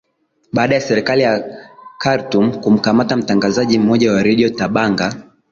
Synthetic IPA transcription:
ɓaːɗajasɛɾɛkalijakaɾtum̩kum̩kamatam̩taŋɡazaʄim̩mɔʄawaɾɛɗiɔtaɓaŋɡa

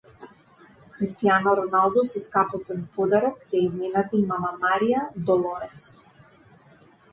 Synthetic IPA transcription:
xɾist̪ijanaɾɔnalˠd̪ɔsiskapɔt̪sɛnpɔd̪aɾɔkjaizninat̪imamamaɾijad̪ɔlˠɔɾɛs

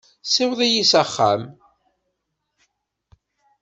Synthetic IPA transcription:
sɪwðˤijisəχːæ̰m

